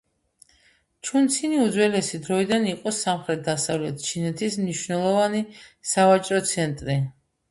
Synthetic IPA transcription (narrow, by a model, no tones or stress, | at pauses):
t͡ʃʰunt̪sʰiniud̪zwɛlɛsid̪ɾɔid̪aniqʼɔsamχɾɛt̪̚d̪asavlɛt̪̚ʰt͡ʃʰinɛt̪ʰismniʃwnɛlˠɔvanisavat͡ʃʼɾɔt̪sʰɛnt̪ʼɾi